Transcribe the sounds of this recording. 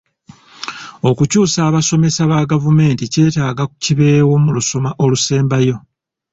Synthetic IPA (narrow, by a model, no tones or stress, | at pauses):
o̞kucuːsaːβaso̞me̞saβaɡavume̞ːntice̞ːtaːɡaku̥ciβe̞ːwo̞muluso̞maʔo̞luse̞ːmbajo̞